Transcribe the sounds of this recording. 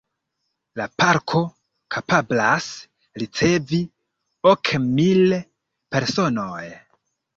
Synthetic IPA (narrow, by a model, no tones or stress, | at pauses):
lapaɾkʰo̞ | kʰapablas | ɾit͡se̞vi | okʰmil | pe̞ɾso̞noj